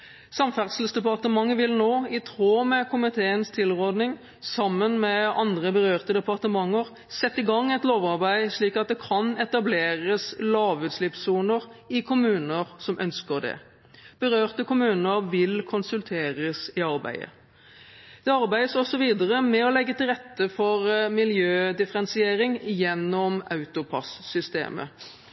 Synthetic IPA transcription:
sɑmfæʁd̪səl̩sd̪ɛpɑʁt̪əmɑŋːəʋɪlnoːɪt̪ʰʁoːmɛkʰʊmɪt̪ʰeːənst̪ʰɪlʁoːd̪nɪŋ | sɑmːənmɛɑnd̪ʁəbəʁøːʁt̪əd̪ɛpɑʁt̪əmɑŋːəʁ | sɛt̪ːɪɡɑŋːɛt̪loːʋɑʁbæɪʂɭiːkɑt̪̚d̪ɛkʰɑnɛt̪ɑbleːʁəslɑːʋʉːt̪slɪpsuːnəʁɪkʰʊmʉːnəʁsɔmʔœ̰nskəʁd̪ɛ̰ | b̥əʁøːʁt̪əkʊmʉːnəʁʋɪlkʰʊnsʉlt̪ʰeːʁəsɪɑʁbæ̰ɪə̰ | d̪̥ɛɑɾbæɪəsɔsːɔʋiːd̪əʁəmɛɔlɛɡːət̪ɪlʁɛt̪ːəfɔʁmɪljøːd̪ɪfəɾɛnsɪeːɾɪŋjɛnːɔmɑʉt̪ʊpʰɑ̰sːʏst̪ḛːmə̰

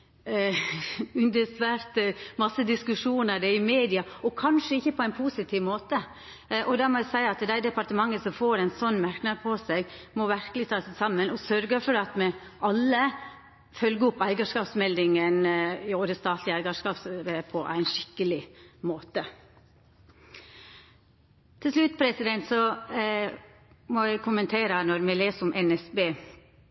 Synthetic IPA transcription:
ʉnd̪əsʋæɾt̪mɑsːəd̪ɪskʉʂuːnəɾd̪ɛɪmeːd̪ɪɑɔkʰɑnʂəɪçːəpʰɔæɪnpʰuːsɪt̪ʰiːʋmoːt̪ə | ʔɔd̪ɑmɔd̪æsæɪəɑt̪d̪æɪd̪ɛpɑɾt̪əmɑŋːəsɔmfoːɾæɪnsɔnːmæɾknɑɡ̪pʰɔsæɡmɔʋæɾkəlɪt̪ʰɑːsæsɑmːənɔsœɾɡəɾfɔɖɑt̪mɛʔɑlːə | fœlɡəʊpæɪɡɑʂkɑːpsmɛld̪ɪŋənɪoːɾəst̪ɑːt̪ʰlɪæɪɡɑʂkɑːpsɾepʰɔʔæ̰ɪnʃɪ̥kːəlɪmoːt̪ə | t̪ʰɪlslʉt̪pʰɾɛsɪd̪ɛnt̪sɔ | mɔæɪkʰʊmənt̪ʰeːɾənɔɾmɛleːsəɾʊmʔɛnɛsbeː

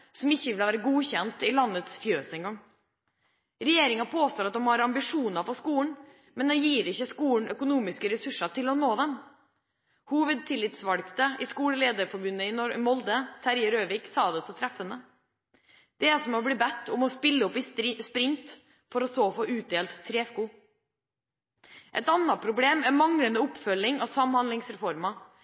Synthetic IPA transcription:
sɔmɪçːəʋɪləʋæːɾəɡuːçɛnt̪ɪlɑnːət̪sfjøːsɪŋɔm | ɾɛjeːɾɪŋɑpʰoːst̪oːɾɑt̪̚d̪ɔmhɑɾɑmbɪʂuːnɑɾfɔskuːɳ̩ | mɛnd̪ɛnjiːɾɪçːəskuːɳ̩œkʊnuːmɪskəɾɛsʉʂːɑʈ̪ɪlɔnoːd̪ɛm | huːʋəd̪̚t̪ʰɪlːɪt̪sʋɑɽkt̪əɪskuːɽəleːd̪əɾfɔɾbʉnːəɪnɔmɔld̪ət̪ʰæɾjəɾøːʋɪksɑːd̪ɛsɔt̪ʰɾɛfənə | d̪̥ɛæsɔmɔbɽiːbɛt̪ːʊmɔspɪlːəɔpɪspɾɪnt̪ | fɔɾɔsoːfoːʉːt̪̚d̪eːlt̪t̪ʰːɾeːskuː | ʔɛ̰t̪ɑnːɑpʰɾʊbleːmɛɾmɑŋɽənd̪əʊpfœlːɪŋɑsɑmhɑnd̪ɪŋsɾɛfɔɾmɑ

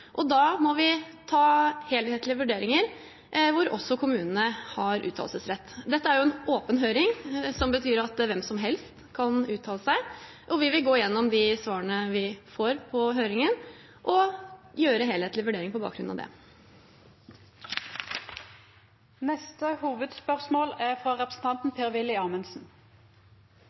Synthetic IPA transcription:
ʔɔd̪ɑːmɔʋɪt̪ʰɑːheːlheːt̪lɪəʋʉɖeːɾɪŋəɾ | ʋʊɾɔsːɔkʰʊmʉːnənəhɑɾʔʉ̰ːt̪ʰɑ̰lsəsɾɛt̪ːd̪ɛt̪ːəæɾjʊɛnoːpənɦøːɾɪŋsɔmbət̪ʰyːɾɑt̪ʋɛmsɔmɦɛlst̪kʰɑnʉːt̪ʰɑːləsæɪ | ʔɔʋɪʋɪlɡoːɪjɛnːɔmd̪ɪsʋɑːɾəɳəʋɪfoːɾpʰɔɦøːɾɪŋən | ʔɔjøːɾəɦeːlheːt̪lɪʋʉɖeːɾɪŋpɔbɑ̰ːkɡɾʉnɑ̰d̪ɛ̰ | nɛst̪əhuːʋəd̪spœʁsmoːlæfɾɑʁɛpəsn̩t̪ʰɑnt̪n̩pʰeːʁʋɪlɪɑːmənsn̩

